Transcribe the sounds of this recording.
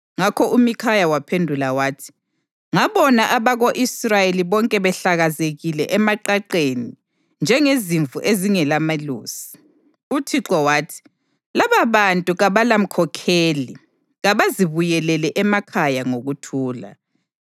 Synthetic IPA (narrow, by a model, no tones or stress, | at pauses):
ŋakʰɔumikʰajawapʰendʱulawaːtʰi̥ | ŋaβɔnaʔaβaɣoʔisrajeliβɔŋkʼɛβɛɬaɣazeɣilɛʔɛmaǃaǃeni | nd͡ʒʱɛŋeziɱvʱuʔeziŋɛlamalṵːsi̥ | utʰiǁɔwaːtʰi̥ | laβaβantʼuɣaβalam̩kʰɔkʰeːli | ɣaβaziβujɛlɛlɛʔɛmakʰajaŋoɣutʰuːla̰